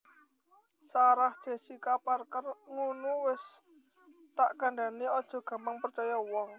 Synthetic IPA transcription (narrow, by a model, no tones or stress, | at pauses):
saɾahd̥ʒ̥a̤sikaparkərŋunuwɪs | t̪aʔkaɳɖaneɔd̥ʒ̥ɔ̤ɡ̥ä̤mpaŋpərt͡ʃajawɔŋ